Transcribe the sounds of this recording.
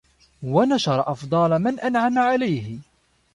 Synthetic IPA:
wanaʃɑɾˤɑʔɑfd̪ˤɑlmanʔanʕamaʕalajhɪ

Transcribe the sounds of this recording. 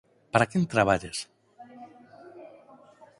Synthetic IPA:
paɾakent̪ɾaβaʎes

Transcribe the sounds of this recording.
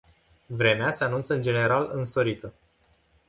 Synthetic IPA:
vɾe̞mease̞anunt̪səɨnd͡ʒe̞ne̞ɾalɨnso̞ɾit̪ə

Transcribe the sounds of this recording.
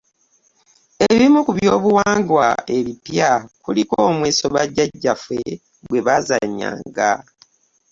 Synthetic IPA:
eβimukuβjo̞ːβuwaːŋɡwae̞βipjakulikoːmweːso̞βaɟaɟːafwe̞ | ɡwe̞βazaɲːa̰ːŋɡa

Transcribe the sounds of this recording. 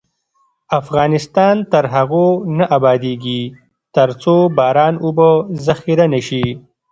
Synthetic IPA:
afɣɑːnɪst̪ɑːnt̪aɾɦaɣonaʔabɑːd̪eːɡi | t̪ɐɾt͡sobɑːɾɑːnubozaxiɾanaʃi

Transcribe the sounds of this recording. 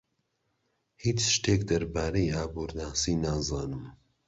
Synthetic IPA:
hiːt͡ʃʃt̪eːkd̪ɐɾbaːɾejaːbuːɾnaːsiːnaːzaːnɨm

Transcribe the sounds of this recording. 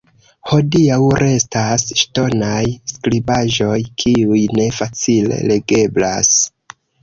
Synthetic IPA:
ho̞diawɾʔe̞stasʃto̞najsklibaʒo̞jkʰiujne̞fat͡sile̞̰le̞ɡe̞bla̰s

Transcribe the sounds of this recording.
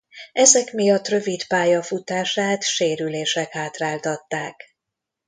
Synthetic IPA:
ɛzɛkmijɒt̪ːrø̞vit̪paːjɒfut̪aːʃaːt̪ʃeːɾyleːʃɛkhaːt̪raːlt̪ɒt̪ːaːk

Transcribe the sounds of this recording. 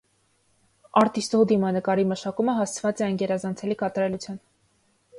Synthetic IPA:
ɑɾt̪ist̪ɔd̪imɑnəkɑɾiməʃɑkuməɦɑst͡sʰvɑt͡sɛɑjnɡɛɾɑzɑnt͡sʰɛlikɑt̪ɑɾɛlut͡sʰjɑn

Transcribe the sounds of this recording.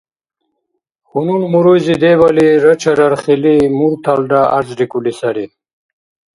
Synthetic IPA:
xununmuɾujzid̪ewaliɾət͡ɕaɾaɾχilimuɾt̪ʰalɖaaɾzɾikulisaɾi

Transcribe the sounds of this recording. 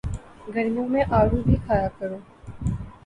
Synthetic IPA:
ɡʱɐɾmijõmẽʔaːɾubʱixʰaːjakəɾoː

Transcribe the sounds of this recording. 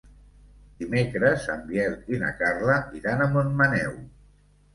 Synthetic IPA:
d̪̥imekɾəzəmbjɛɾt̪ina̰karləʔiɾanəmonmanɛw

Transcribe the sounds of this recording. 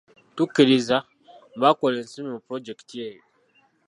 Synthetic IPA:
tukiɾiza | bakʷɔlɛnsinĩpɾod͡ʒɛktiei

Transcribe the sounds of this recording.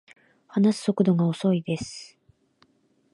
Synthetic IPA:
hanasɨ̥so̞kɯ̟d̪o̞ɡao̞so̞id̪e̞sɨ̥

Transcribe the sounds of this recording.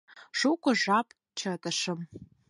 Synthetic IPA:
ʂukʷʼʊʐapʼ | t͡ʃʰɐtʼɐʂɨm

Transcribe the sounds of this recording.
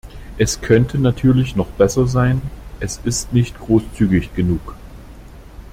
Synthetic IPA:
ʔɛskʰœntʰənatʰyːɐlɪçnɔχb̥ɛsɐzaɪnʔɛsɪstnɪçtɡ̥ʁoːst͡syːɡɪçɡ̥ənuːk

